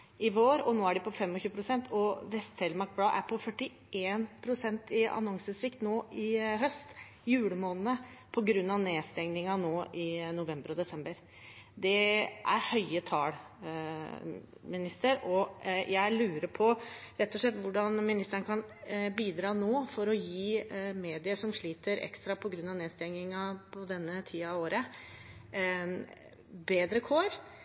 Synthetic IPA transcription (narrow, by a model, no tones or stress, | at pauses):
ɪʋoːɾɔnoːæɖɛpɔfɛmːɔçʉːəpʰɾʊsɛnt̪ʰɔʋɛst̪sɛlmɑɾk̚blɑːʔæ̰ɾpʰɔfœʈːɪ | eːnpʰɾʊsɛnt̪ɪɑ̰nɔŋsəsɾɪkt̪noːʔɪɦœst̪ | jʉːɽəmoːnənəpʰɔɡɾʉnːɑʋneːst̪ɛŋnɪŋɑnoːʔɪnʊʋɛmbəɾɔd̪ɛsɛmbəɾ | d̪ɛʔæ̰ɾhœʏət̪ʰɑːɽ | mɪnɪst̪əɾɔjæɪlʉːɾəɾpʰɔɾɛt̪ːɔʂɭɛt̪ːʋʊɖɑnmɪnɪst̪əɳəkʰɑnbiːd̪ɾɑːnoːfɔɾɔjiːmeːd̪ɪəʂɔmʂɭiːt̪əɾɛ̰kst̪ɾɑpʰɔɡɾʉnːɑʋneːst̪ɛŋnɪŋɑpʰɔd̪ɛnːət̪ʰiːɑɑʋoːɾə | beːd̪ɾəkʰoːɾ